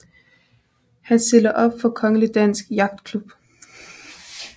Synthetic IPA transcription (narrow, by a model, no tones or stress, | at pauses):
hænse̝l̰ɐʔɒ̽b̥fɒ̽kʰɒ̽ŋəlid̥æn̰sɡ̥jɑ̈ɡ̥̚d̥kʰlub̥